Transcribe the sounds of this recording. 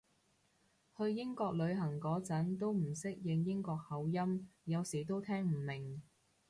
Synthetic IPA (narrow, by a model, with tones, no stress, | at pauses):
hɵ˧ɥjɪ˥ŋkɔː˧k̚lɵ˨˧ɥɦɐ˨˩ŋkɔː˨˥t͡sɐ˨˥nt̪o˥wm̩˨˩sɪ˥k̚jɪ˧ŋjɪ˥ŋkɔː˧k̚hɐ˨˧˥wjɐ˥mjɐ˨˧wsiː˨˩t̪̬o˥wt̪ʰɛː˥ŋm̩˨˩mɪ˨˩ŋ